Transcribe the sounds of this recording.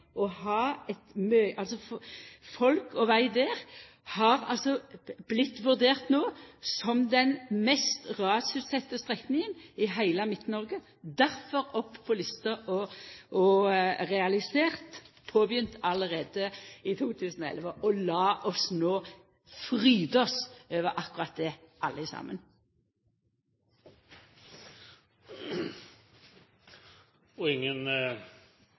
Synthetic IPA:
ɔhɑːɛt̪møʔɑlsɔfɔlkɔʋæɪd̪eːʁ | hɑʁɑ̰lsɔb̥lɪt̪ːʋʉʁd̪eːʁt̪noːsɔmd̪ɛnmɛst̪ʁɑːsʉsɛt̪ːəst̪ʁɛknɪŋənɪɦæɪləmɪt̪ːnɔʁɡə | d̪æʁfɔʁɔpːpʰɔlɪst̪ɑʔɔʔɔʁɛɑlɪseːʁt̪pʰoːbjʏnt̪ʰɑləʁeːd̪əɪt̪ʰuːt̪ʰʉːsənɔɛ̰lʋəʔɔlɑːʔɔsnoː | fʁyːd̪əɔsøːʋəʁʔɑkʉʁɑt̪̚d̪ɛʔɑlːəɪsɑ̰ːmə̰n | ɔɪŋːən

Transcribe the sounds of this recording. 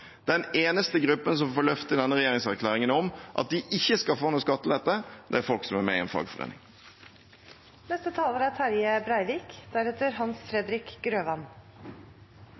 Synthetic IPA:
d̪̥ɛneːnəst̪əɡɾʉpːəns̬ɔmfoːlœft̪əd̪ɛnːəʁɛjeːʁɪŋsæɾkʰlæːʁɪŋənɔmʔɑ̰t̪̚d̪ɪʔɪçːəskɑlfoːnuːskɑt̪ːəlɛt̪ːəd̪ɛ̰æɾfɔlksɔmæmɛ̰ɪɛ̰nfɑ̰ːɡfɔʁḛːnɪ̰ŋ | nɛst̪ət̪ʰɑːləɾæt̪ʰæɾjəbɾæɪʋiːkd̪̥æɾɛt̪əɾhɑnsfɾɛd̪ɾɪkɡɾøːʋɑn

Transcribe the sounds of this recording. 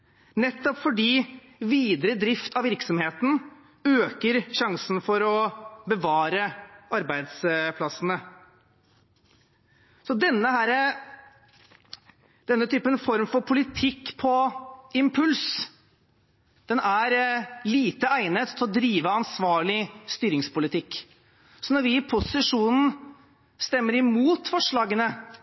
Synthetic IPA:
nɛt̪ːɔpfɔɖiː | ʋiːd̪ɾəd̪ɾɪft̪ʰɑʋɪɾksɔmheːt̪n̩ | øːkəɾɕɑŋsn̩fɔɾɔbəʋɑːɾəʔɑɾbæɪd̪spʰlɑsənə | sɔd̪ɛnːəhæːɾə | d̪̥ɛnːət̪ʰyːpənfɔɾmfɔɾpʰʊlɪt̪ʰɪkːpʰɔɪmpʰʉls | d̪̥ɛnæɾliːt̪əæɪnət̪t̪ʰːɪlɔd̪ɾiːʋəɑnsʋɑːɭɪst̪yːɾɪŋspʊlɪt̪ʰɪkː | sɔnɔɾʋɪɪpʰʊsɪʂuːnn̩ | st̪ɛmːəɾɪmuːt̪fɔʂɭɑːɡənə

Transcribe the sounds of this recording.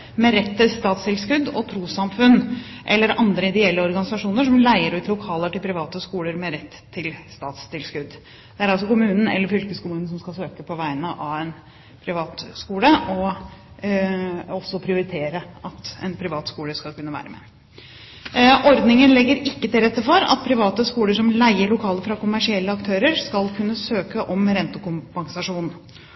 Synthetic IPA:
mɛɾɛt̪ʰːɪlst̪ɑːt̪st̪ɪlskʉd̪ɔt̪ʰɾuːsɑmfʉn | ʔɛ̰lːəɾɑnd̪ɾəɪd̪ɛɛlːəɔɾɡɑnɪsɑʂuːnəʂɔmlæɪəɾʉːt̪lʊkʰɑːləʈɪlpʰɾɪʋɑːt̪əskuːləɾmɛɾɛt̪ʰːɪlst̪ɑːt̪st̪ɪlskʉd̪ː | d̪̥ɛæɾɑls̬ɔkʊmʉːnən̩ɛ̰lːəɾfʏlkəskʊmʉːnn̩sɔmskɑsøːkəpʰɔʋæɪənəʔɑʋɛn | pʰɾɪʋɑːt̪skuːləɔ | ɔsːɔpʰɾɪʊɾɪt̪ʰeːɾəɑt̪ɛ̰npʰɾɪʋɑːt̪skuːləskɑlkʉnːəʋæ̰ːɾəmɛ̰ː | ʔɔɾd̪nɪŋənlɛɡːəɾɪkːət̪ɪlɾɛt̪ːəfɔɾɑ̰t̪̚pʰɾɪʋɑːt̪əskuːləʂɔmlæɪəɭʊkʰɑːləfɾɑkʊmæʂɪɛlːəɑkt̪ʰøːɾəɾskɑlkʰʉnːəsøːkəʔɔmɾɛnt̪əkʊmpɑŋsɑʂuːn

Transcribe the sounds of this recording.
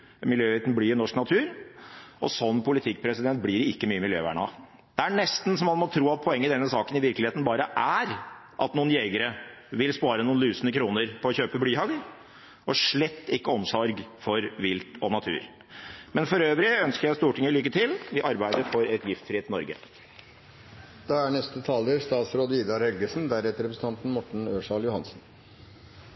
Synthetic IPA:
mɪljøːʋɪt̪n̩blɪɾnɔʂknɑt̪ʰʉːɾʔɔ̰sɔnːpʰʊlɪt̪ʰɪk̚ːpʰɾɛsɪd̪ɛnt̪̚blɪɾɪkːəmyːəmɪljø̰ːʋæ̰ːɳɑ̰ | d̪̥ɛæɳɛst̪n̩sɔmːɑnmɔt̪ʰɾuːɑt̪̚pʰɔɛŋːəd̪ɛnːəsɑːkənɪʋɪɾklɪheːt̪n̩bɑːɾəʔæɾ | ʔɑt̪nuːnjeɡəɾəʋɪlspɑːɾənuːnlyːsənəkʰɾuːnəɾpʰɔɔçøːpəb̪yːhɑɡl | ʔɔʂɭɛt̪ːɪkːəɔmsɔɾɡfɔɾʋɪlt̪ɔnɑt̪ʰʉ̰ːɾ | mɛnfɔɾøːʋɾɪœnskəɾjæɪst̪uːʈʰɪŋːəlʏkːət̪ʰɪlʋɪʔɑɾbæɪd̪əfɔɾɛt̪jɪft̪sfɾɪeːt̪ːɪnɔɾɡə̰ | d̪̥ɑːæɳɛst̪ət̪ʰɑːld̪əɾst̪ɑːt̪sɾoːd̪əiːd̪ɑɾhɛlɡəsnd̪æɾɛt̪əɾɛpɾəsəɑnt̪n̩mɔʈɳ̩øːʂɑljʊhɑnsn

